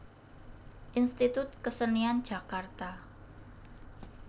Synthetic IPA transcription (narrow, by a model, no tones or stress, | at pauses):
ʔinst̪it̪ʊt̪̚kəsəniand̥ʒ̥a̤kart̪a